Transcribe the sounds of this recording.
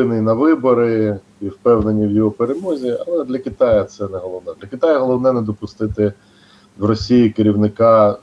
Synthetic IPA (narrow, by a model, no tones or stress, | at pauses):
ɪnɪnɐʋɪbɔɾɪ | iwpɛwnenʲːiwjɔɦɔpeɾemɔzʲiɐ̰lˠɛd̪lʲɐkɪt̪ɑjɐt̪sɛnɛɦɔlˠɔwnɛd̪lʲɐkʲɪt̪ɑjɐɦɔlˠɔwnɛnɛd̪ɔpʊst̪ɪt̪ɪ | wrɔsʲijikɪɾʲiwnɪkɑ